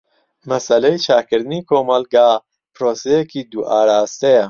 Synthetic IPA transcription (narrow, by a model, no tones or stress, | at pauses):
mɐsɐlejt͡ʃʰaːkɨɾd̪ɨniːkʰoːmɐlɡaː | pʰɾoːsejekiːd̪uʔaːɾaːst̪ejɐ